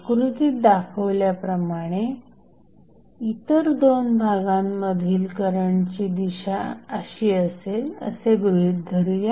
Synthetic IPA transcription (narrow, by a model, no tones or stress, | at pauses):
kɾut̪iːt̪̚d̪akʰəʋljapɾəmaɽ̃e | it̪əɾd̪onbʱaɡamːəd̪ʱiːlkəɾəɳt͡ɕiːd̪iɕaəɕiːəselə̰seɡɾuɦiːt̪̚d̪ʱəɾuja